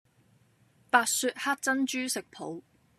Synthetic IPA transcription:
paː˧t̚syː˧t̚haː˥t̚t͡sɐ˥nt͡ʃyː˥sɪ˨k̚pʰo̰˨˥w

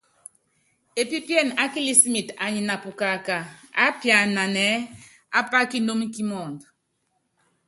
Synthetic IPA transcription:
e˨pi˦pjɛ˦˨na˦ki˦li˦si˦mi˨ta˨ɲi˨na˨pu˨ka˨ka˨a˦pja˨na˨nɛ˦ | a̰˦pa˦ki˦no˦mi˦ki˦mɔ˨nd

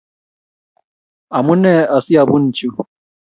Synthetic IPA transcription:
a˨mʊ˦nɛ˦a˨si˦a˨bʊ˦n̩˨t͡ʃu˦˨

